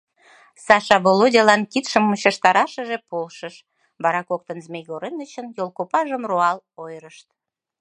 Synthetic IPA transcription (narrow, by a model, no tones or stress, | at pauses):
sɑʃɑβolodʲɑlɑnkit̪ʃəmːuɕɑʃt̪ɑɾɑʃəʒepolʃəʃ | βɑɾɑkok̚t̪ənzmʲejɣoɾenət͡ɕənjolˠkopɑʒəmroɑlojɾəʃt̪̚